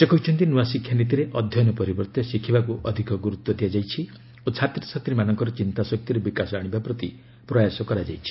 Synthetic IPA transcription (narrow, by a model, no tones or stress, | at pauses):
sekɔɦut͡ʃʰɔnt̪inuwasikʰjanit̪̬iɾeʔɔd̪ʱjɔjɔnɔpɔɾibɔɾt̪ɔsikʰibakuʔɔd̪ʱikɔɡuɾut̪wɔd̪ijad͡ʒajt͡ʃʰi | ot͡ʃʰat̪ɾisʰɔt̪ɾimanɔŋkɔɾɔt͡ʃint̪asɔk̚t̪iɾebikasɔaɽ̃ibapɾɔt̪i | pɾɔjasɔkɔɾad͡ʒa̰jt͡ʃʰi̥